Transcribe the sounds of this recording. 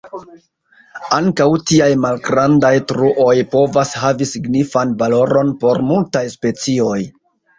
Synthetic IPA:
aŋkawtiajmalɡɾandajtɾuʔo̞jpo̞vashavisiɡnifanvalo̞ɾo̞npo̞ɾmultajspe̞t͡sio̞j

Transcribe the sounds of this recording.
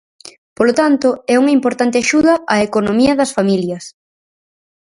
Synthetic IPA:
polot̪ant̪ʊɛuŋɐimpoɾt̪ant̪ɪaʃuðɐʔaekonõmiɐðɐsfamiljɐs

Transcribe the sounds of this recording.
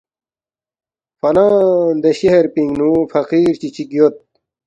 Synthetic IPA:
fɐnãːnd̪eɕeɦeɾpiŋɡnũːfɐqiːɾt͡ɕit͡ɕʰikijot̪̚

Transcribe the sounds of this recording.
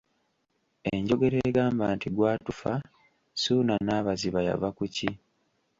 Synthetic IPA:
eɲɟo̞ɡe̞ɾeɡaːmbaːntiɡwaːtufa | suːnanaːβaziβaja̰vakuci

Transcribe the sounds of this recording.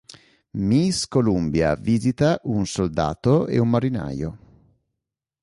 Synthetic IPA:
miskolumbja̰viːzit̪aʔunsold̪a̰ːt̪oḛumːaɾina̰ːjo̰

